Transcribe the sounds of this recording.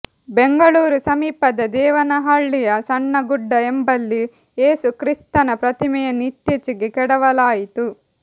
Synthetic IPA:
beŋɡɐɭuːɾusɐmiːpɐd̪ɐd̪ɛːʋɐnɐɦaːɭːijɐsɐɳːɐɡuɖːɐembɐlːi | je̞ːsukɾist̪ɐnɐpɾɐt̪imɛjɐnit̪jɐt͡ʃiɡikɛɽɐʋɐlaːjit̪u

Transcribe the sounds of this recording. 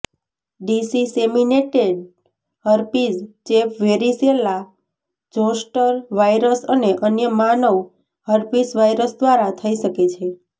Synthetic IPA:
ɖisisemineʈeɖ̚ | həɾpid͡ʒt͡ʃepʋeɾisela | d͡ʒõsʈəɾʋajɾəsəneʔənjəmanəʋ | həɾpisʋajɾəsd̪ʋaɾat̪ʰəiʃəket͡ʃʰe

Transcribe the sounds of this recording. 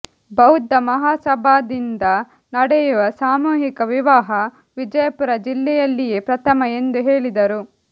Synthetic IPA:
bɐwud̪ːɐmɐɦaːsɐbʱaːd̪ind̪ɐ | nɐɽɛjuʋɐsaːmuːɦikɐʋiʋaːɦɐ | ʋid͡ʒɐjɐpuɾɐd͡ʒilːɛjɐlːijeːpɾɐt̪ʰɐmɐe̞nd̪uɦe̞ːɭid̪ɐɾu

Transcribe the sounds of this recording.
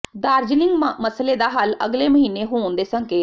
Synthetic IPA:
d̪aːɾd͡ʒlɪ̃ŋɡməsleːd̪aːɦaːləɡleːməɦiːneːɦoːnd̪eːsəŋkeː

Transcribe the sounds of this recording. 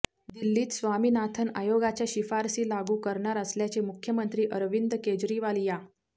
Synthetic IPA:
d̪ilːiːt̪sʋamiːnat̪ʰəna̰joɡat͡ɕjaɕifaɾsiːlaɡuːkəɾɳaɾəsljat͡ɕemukʰjəmənt̪ɾiːʔəɾʋind̪ked͡ʑɾiʋalija

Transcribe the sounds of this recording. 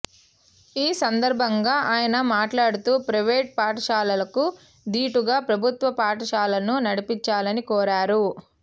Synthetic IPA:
iːsɐnd̪ɐɾbʱɐŋɡaːʔaːjɐnɐmaːʈlaːɽut̪uːpɾɐʋeːʈ̚paːʈɐʃaːlɐlɐku | d̪iːʈuɡaːpɾɐbʱut̪ʋɐpaːʈɐʃaːlɐnunɐɽipiɲt͡ʃaːlɐnikɔːɾaːɾu

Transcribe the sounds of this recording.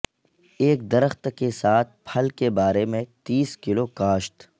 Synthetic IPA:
eːkd̪ɐɾəxt̪kesaːt̪ʰpʰɐlkebaːɾemẽt̪iːskɪlokaːʃt̪

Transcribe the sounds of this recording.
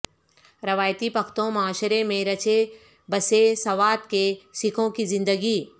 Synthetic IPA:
ɾɐʋaːjt̪ipɐkʰt̪õmɐaːʃɾemẽɾɐt͡ʃe | bɐsesɐʋaːt̪̚kesɪkʰõkizɪ̃nd̪əɡiː

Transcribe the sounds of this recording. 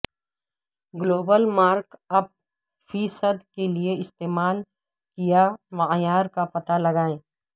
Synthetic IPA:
ɡloːbəlmaːɾkɐb̚ | fiːsəd̪kelieɪst̪eːmaːl | kijamajaːɾkapɐt̪alɐɡaːẽː

